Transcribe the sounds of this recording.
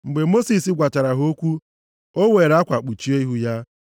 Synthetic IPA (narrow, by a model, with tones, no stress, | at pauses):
ŋ͡m̩˨ɡ͡be˨mo˦si˨si˦ɡʷa˨ta˨ɾa˨ɦo˦kʷu˦ | o˦we˨ɾa˦kʷa˨k͡pu˨t͡ʃi˦e˦i˦ɦu˦ja˦